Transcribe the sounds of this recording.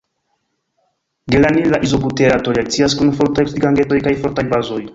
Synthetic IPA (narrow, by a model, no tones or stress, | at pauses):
ɡelanilaʔizobuteɾatoliak̚t͡siaskunfoɾtajsiɡaŋɡeto̞jkajfoɾtajbazoj